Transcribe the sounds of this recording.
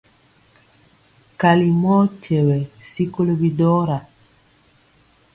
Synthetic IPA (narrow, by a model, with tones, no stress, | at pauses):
ka˨li˨mɔ˦cɛ˨wɛ˨si˦ko˦lo˦bi˦dɔ˦ɾa˨